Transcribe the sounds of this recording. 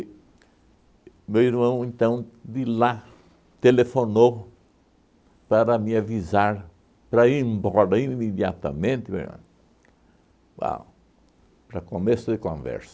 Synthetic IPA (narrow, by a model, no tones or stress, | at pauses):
mewiɾmɐ̃w̃ẽnt̪ɐ̃w̃d̪ila | t̪elefono | paɾɐmĩavizaɾ | pɾɐimbɔɾɐimed̪ja̰t̪ɐ̰mẽnt̪ɪbḛ̃ | ba̰ | pɾɐkomesʊd̪ɪkõvɛ̰ɾsɐ̥